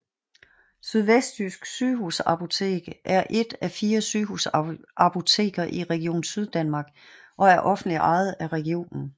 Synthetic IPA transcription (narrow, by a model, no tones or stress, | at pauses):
syð̞ˠʋesd̥ysɡ̥syːɦusæpʰo̝t͡sʰe̝̰ːɡ̥əʔæɐʔe̝d̥æfiːɐsyːɦusʔɑpʰo̝t͡sʰe̝̰ːɡ̥ɐʔiʁɛɡ̥io̝̰ːnsyð̞ˠd̥ænmɑ̈ːɡ̥ | ʔɒ̽æɐʔɒ̽fn̩dliʔɑ̈ɪð̞̩ˠæʁɛɡ̥io̝̰ːnn̩